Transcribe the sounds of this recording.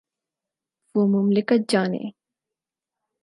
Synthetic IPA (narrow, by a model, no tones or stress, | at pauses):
vomʊmlɪkɐt̪̚d͡ʒaːnḛː